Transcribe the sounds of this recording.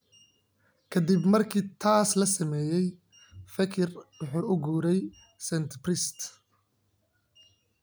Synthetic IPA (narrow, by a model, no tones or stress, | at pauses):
kʰɐd̪ibmɐrkʰiːt̪ʰaːslɐsɐmɛːjɛj | fɐkʰɪrwʊħuːʊɡuːɾɛj | sɛnt̪prɪst̪